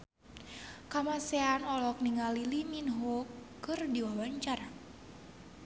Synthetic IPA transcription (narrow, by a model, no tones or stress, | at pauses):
kamasɛanɔlɔk̚niŋaliliminɦokkːɨrdiwawaɲt͡ʃar